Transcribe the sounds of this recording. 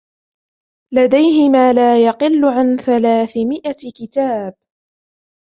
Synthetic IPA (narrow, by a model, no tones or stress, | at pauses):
lad̪ajɦɪmaːlaːjɑqɨlːʊʕanθalaːθɪmɪʔakɪt̪aːb